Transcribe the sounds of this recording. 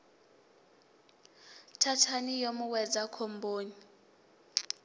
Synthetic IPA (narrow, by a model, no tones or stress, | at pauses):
tʰatʰanijomuwɛd͡zakʰɔmbʱoːni